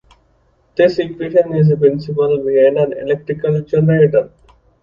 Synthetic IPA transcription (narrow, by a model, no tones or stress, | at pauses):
d̪̥ɪsikʋeːʃə̃nɪzepɾɪ̃nsɪpəlʋiẽɳɖæ̃ɳɖḛlek̚ʈɾɪkəld͡ʒənɾeʈəɾ